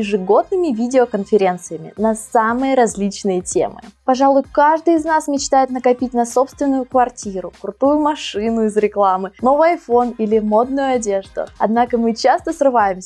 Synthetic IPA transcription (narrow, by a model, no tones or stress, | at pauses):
jɪʐɨɡo̞d̪nɨmʲɪvʲidʲɪokənfʲɪɾʲe̞nt̪sɨjəmʲɪ̰nɐsamɨjəɾɐzʲlʲit͡ɕnɨjətʲḛmɨ̰pɐʐalˠʊjkaʐd̪ɨjɪznasmʲɪt͡ɕt̪ajɪt̪nəkɐpʲit̚ʲnɐso̞pst̪vʲɪnːʊjʊkvɐrtʲiɾʊkɾʊt̪ujʊmɐʂɨnʊɪzɾʲɪklˠamɨno̞vɨjɐjfo̞nilʲɪmo̞d̪̚nʊjʊɐdʲe̞ʐd̪ʊ̰ɐ̰d̪nakəmɨt͡ɕast̪əsrɨvajɪmsʲə